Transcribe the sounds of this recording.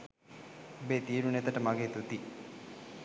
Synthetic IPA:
beːt̪iːɾunet̪əʈəmaɡeːt̪ut̪i

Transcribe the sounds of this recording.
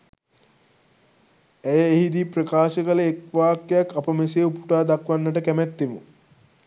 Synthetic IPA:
æjəeɦid̪iprəkaːʃəkələekʋaːkːejakːapəmeseupuʈaːd̪akʋanːəʈəkæmæt̪ːemu

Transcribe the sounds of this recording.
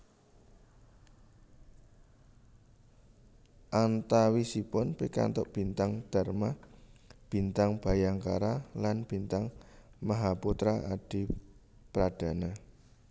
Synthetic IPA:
ʔant̪awisipʊnpika̰nt̪ʊʔb̥i̤nt̪aŋd̥a̤rma | b̥i̤nt̪aŋb̥a̤jaŋkaɾalanb̥int̪aŋmaɦaput̪ɾaʔad̥i̤ | pɾad̥a̤na

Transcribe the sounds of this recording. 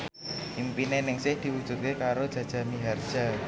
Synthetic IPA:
impinenɪŋsɪhd̪̥i̤wud̥ʒ̥ṳt̪̚kekaɾod̥ʒ̥ä̤d̥ʒ̥a̤miɦard̥ʒ̥a

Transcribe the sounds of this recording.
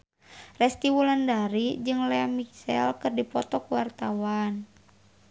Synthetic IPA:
rɛst̪iwulandaɾid͡ʒɨŋlɛamiksɛ̰lkɨrdipɔt̪ɔkuwart̪awan

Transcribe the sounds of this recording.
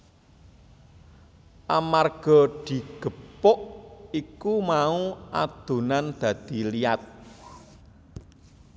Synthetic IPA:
ʔamarɡ̥ɔ̤d̪̥i̤ɡ̥ə̤pʊʔikumauʔad̪̥ṳnand̪̥ä̤d̪̥i̤liat̪̚

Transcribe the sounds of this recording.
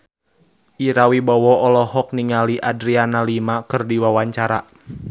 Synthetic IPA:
ʔiɾawibɔwɔɔlɔɦɔk̚niŋaliʔadɾianalimakɨrdiwawaɲt͡ʃaɾa

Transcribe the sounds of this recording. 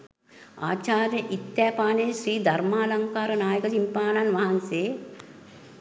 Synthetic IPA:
a̰ːt͡ʃaːɾjɐʔit̪jaːpaːneːʃɾiːd̪ʱɐɾmaːlɐŋkaːɾɐnaːjɐkɐsimpaːnanʋɐɦɐnseː

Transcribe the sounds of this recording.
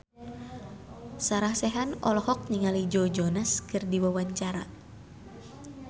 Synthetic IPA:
saɾahsɛɦanɔlɔhɔk̚niŋalid͡ʒɔd͡ʒɔnaskɨrdiwawaɲt͡ʃaɾa

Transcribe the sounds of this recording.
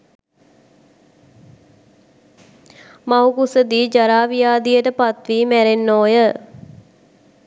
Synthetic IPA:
mawkusəd̪iːd͡ʒaɾaːʋijaːd̪ijəʈəpat̪ʋiːmæɾenːoːjə

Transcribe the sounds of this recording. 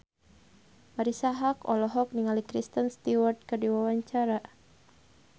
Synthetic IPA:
maɾisaɦakɔ̰lɔɦɔk̚niŋalikɾist̪ənst̪iward̪̚kɨrdiwawaɲt͡ʃaɾa

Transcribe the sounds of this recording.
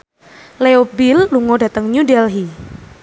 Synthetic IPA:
leobilːuŋoda̤t̪əŋɲudɛlɦi

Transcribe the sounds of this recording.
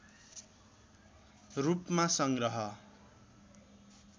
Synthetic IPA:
rupmasʌŋɡrʌɦʌ

